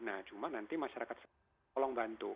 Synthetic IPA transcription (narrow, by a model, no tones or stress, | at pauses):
naht͡ʃumanant̪imaʃaɾakat̪̚s | ɔlɔŋbant̪u